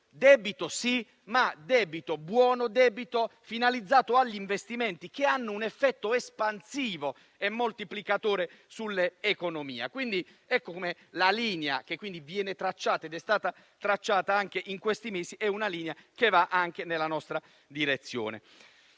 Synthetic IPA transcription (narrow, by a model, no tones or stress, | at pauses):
d̪ɛːbit̪osi | mad̪ɛːbit̪obwɔːnod̪ɛːbit̪ofinalid̪zːaːt̪oaʎːiɱvest̪imɛnt̪ik̟eanːounefːɛt̪ːoespansiːvo | ɛmːolt̪iplikat̪oːɾe | sulːeːkonomḭːa̰kwind̪i | ɛkːokomelaliːnea̰kekːwind̪ivjɛːnet̪ɾat͡ʃːaːt̪aed̪ɛst̪aːt̪a | t̪ɾat͡ʃːaːt̪aaŋk̟eʔiŋkwest̪imeːsiʔɛunaliːneakevaʔaŋk̟enelːanɔst̪ɾa | d̪iɾet̪sːjo̰ːnḛ